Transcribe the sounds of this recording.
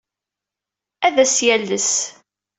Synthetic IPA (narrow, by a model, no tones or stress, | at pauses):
æðæsjælːəs